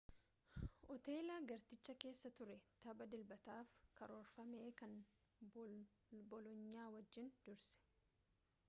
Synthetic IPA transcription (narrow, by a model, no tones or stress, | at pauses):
ʔɔt̪e̞ːlaːɡɐɾt̪ɪt͡ʃːɐke̞ːsːɐt̪ʊɾɛt̪ɐbɐd̪ɪlbɐt̪aːfkɐɾoːɾfɐme̞ːkɐn | bɔlɔɲːaːwɐd͡ʒːɪnd̪ʊɾsɛ̥